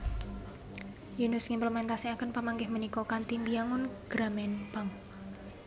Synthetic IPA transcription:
junʊsŋimpləmɛnt̪asiakənpəmaŋɡɪhmənikɔkant̪imbijaŋʊnɡ̥ɾamɛnpaŋ

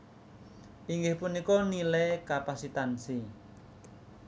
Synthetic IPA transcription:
iŋɡɪhpunikɔnilɛkapasit̪ansi

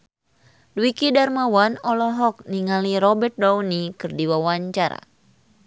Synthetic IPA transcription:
dwikidarmawanɔlɔɦɔk̚niŋaliɾɔbɛt̪̚dawnikɨrdiwawaɲt͡ʃaɾa̰

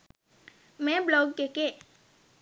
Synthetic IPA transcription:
mẽblɔɡkeke

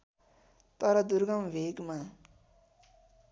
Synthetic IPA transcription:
t̪ʌɾʌd̪uɾɡʌmʋeːɡmã

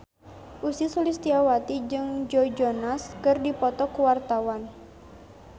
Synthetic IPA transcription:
ʔusisulist̪iawat̪id͡ʒɨŋd͡ʒɔd͡ʒɔnaskɨrdipɔt̪ɔkuwart̪awan

